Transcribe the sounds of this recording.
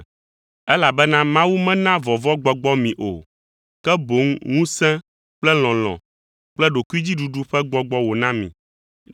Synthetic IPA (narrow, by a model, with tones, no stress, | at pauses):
ɛ˦la˨bɛ˦nã˦mã˦wu˦mɛ̃˦nã˦vɔ˨vɔ˦ɡ͡bɔ˨ɡ͡bɔ˦mĩ˨ʔo̰˨ | kɛ˦bo˨˦ŋŋũ˦sɛ̃˦ | k͡plɛ˦l̃ɔ̃˨l̃ɔ̰̃˨ | k͡plɛ˦ɖo˨ku˦i˦d͡ʑi˦ɖu˨ɖu˦ɸɛ˦ɡ͡bɔ˨ɡ͡bɔ˦wo˨nã˦mḭ̃˨